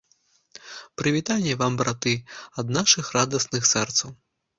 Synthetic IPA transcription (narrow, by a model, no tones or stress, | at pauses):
pɾɨvʲit̪anʲːɛvambɾat̪ɨɐd̪naʂɨxrad̪ɐsnɨxsɛrt̪sɐw